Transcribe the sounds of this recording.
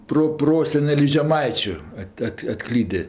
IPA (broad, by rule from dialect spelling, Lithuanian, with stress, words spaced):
proːˈproːsʲɛnʲɛlʲɪs ʒʲɛˈmɐɪt͡ʃʲʊ ˈɐtʲ ˈɐtʲ ɐtˈklʲiːdʲeː